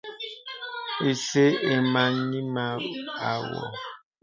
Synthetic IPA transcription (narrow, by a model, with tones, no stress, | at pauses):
e˨se˦e˨ma˨ɲĩ˦ma˦a˨wɔ̰˨